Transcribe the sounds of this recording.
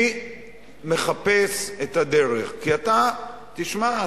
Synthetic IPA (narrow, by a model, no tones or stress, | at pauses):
me̞χapeset̪ad̪e̞ʁeχkiat̪a | t̪iʃma